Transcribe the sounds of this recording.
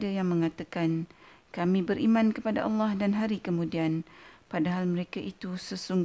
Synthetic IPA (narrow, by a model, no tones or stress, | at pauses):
dajaŋmə̃ŋãt̪akan | kamĩbəɾʔimãnkəpada̰ʔɑlːɑhdanɦaɾikəmũdianpadaɦalmə̃ɾekaʔit̪usəsuŋɡ